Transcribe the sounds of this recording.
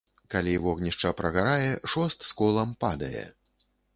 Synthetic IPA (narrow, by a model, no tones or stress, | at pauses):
kalʲivɔɣnʲiʂt͡ʂɐpɾɐɣaɾajɛʂɔst̪skɔlˠɐmpad̪ɐjɛ̰